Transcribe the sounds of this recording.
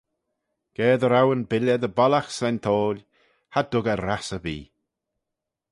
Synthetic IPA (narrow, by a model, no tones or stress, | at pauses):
ɡ̥ɛːd̪əɾawənbɪləd̪əbɔlaxsɛnt̪ʰoːlʲ | had̪ʊɡəɾasəbḭː